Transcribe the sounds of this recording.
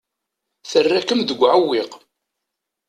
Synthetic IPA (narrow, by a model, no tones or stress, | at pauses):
θərːækəmðəɡʷːʕəwːiq